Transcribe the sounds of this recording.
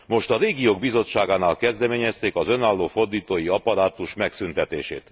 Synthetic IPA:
mo̞ʃt̪ɒɾeːɡijoːɡ̚bizo̞t͡ʃːaːɡaːnaːlkɛzd̪ɛmeːɲɛst̪eːkɒzø̞naːlːoːfo̞rd̪iːt̪oːjiɒpɒɾaːt̪uʃmɛksynt̪ɛt̪ḛːʃḛːt̪

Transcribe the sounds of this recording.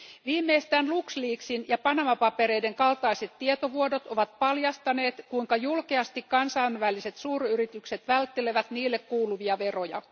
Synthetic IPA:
ʋiːmːe̞ːst̪æːnluksliːksinjɑpɑnɑmɑpɑpe̞ɾe̞jde̞ŋkɑlt̪ɑjse̞t̪tːiet̪o̞ʋuodo̞t̪oʋɑt̪̚pɑljɑst̪ɑne̞ːt̪kuiŋkɑjulkeɑst̪ikkɑnsɑːnʋælise̞t̪suːryrit̪ykse̞t̪ʋælt̪ːe̞le̞ʋæt̪niːlːe̞kkuːluʋiɑʋe̞ro̞jɑ̰

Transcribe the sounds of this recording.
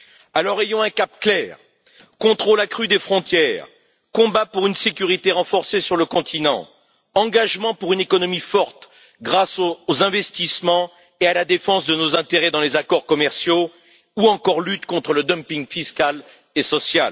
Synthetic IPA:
alɔʁejɔ̃ɛ̃kapklɛːʁ | kɔ̃t̪χolakχyd̪efχɔ̃t̪jɛːʁ | kɔ̃bapuʁynsekʲyʁit̪eʁɑ̃fɔʁsesyʁləkɔ̃t̪ʰinɑ̰̃ | ɑ̃ɡaʒmɑ̃puʁynekɔnɔmifɔʁt̪ | ɡʁasoozɛ̃vɛst̪ismɑ̃ | ealad̪efɑ̃sd̪ənozɛ̃t̪eʁɛd̪ɑ̃lezakɔʁkɔmɛʁsjo | uɑ̃kɔʁlyt̪kɔ̃t̪χələd̪ɔmpiŋɡfiskʲal | esɔsjal

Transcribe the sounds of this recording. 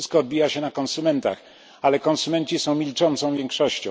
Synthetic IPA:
skɔːd̪̚bʲijaɕɛnakɔnsumɛnt̪a̰x | alɛkɔnsumɛnt͡ɕisɔ̃w̃mʲilt͡ʂɔnt̪sɔ̃w̃vʲjeɛŋkʂɔɕt͡ɕɔ̃

